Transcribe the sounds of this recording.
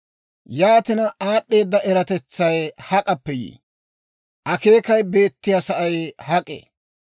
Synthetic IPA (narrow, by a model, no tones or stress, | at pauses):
jaːt̪ɪnɐaːɗːe̞ːd̪ːɐʔɛɾɐt̪ɛt͡sːɐjhɐkʼɐpːɛjḭː | ʔɐke̞ːkɐjbe̞ːt̪ːɪjasɐʔɐjhɐkʼḛ